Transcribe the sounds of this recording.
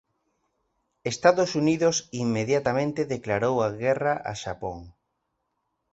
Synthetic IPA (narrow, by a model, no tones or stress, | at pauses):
est̪aðosuniðosimːeðjat̪amẽnt̪eðeklaɾowaɣɛraʔa̰ʃa̰po̰ŋ